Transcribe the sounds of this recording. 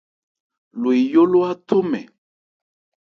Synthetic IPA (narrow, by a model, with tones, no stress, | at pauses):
lo˨i˨jo˦lo˦a˦t̪o˦mɛ˨